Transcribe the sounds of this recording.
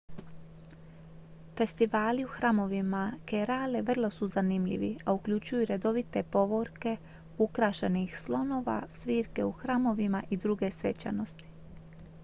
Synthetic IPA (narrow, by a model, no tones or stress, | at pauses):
fe̞st̪iʋaːliuxɾaːmo̞ʋimakeɾaːleʋr̩lˠo̞suzanimʎḭʋiaukʎʲut͡ɕujuɾe̞d̪o̞ʋit̪e̞po̞ʋo̞ɾke̞ | ukɾaʃenixslˠo̞no̞ːʋa̰sʋiːɾke̞uxɾaːmo̞ʋimaʔid̪ɾuɡe̞sʋe̞t͡ɕa̰no̞st̪i̥